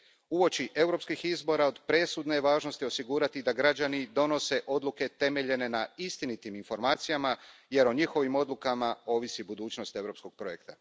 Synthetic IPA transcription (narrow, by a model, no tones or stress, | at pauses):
uo̞t͡ɕiʔe̞wɾo̞pskixizbo̞ɾao̞d̪pɾe̞sud̪neʋaːʒno̞st̪io̞siɡuːɾat̪id̪aɡɾad͡ʑanid̪o̞no̞se̞ʔo̞d̪lˠuke̞t̪e̞me̞ʎe̞ne̞naist̪init̪iminfo̞ɾmaːt̪sijamaje̞ɾoɲixo̞ʋimo̞d̪lukamao̞ːʋisibud̪uːt͡ɕno̞st̪e̞wɾo̞psko̞ɡ̥̚pɾo̞je̞kt̪a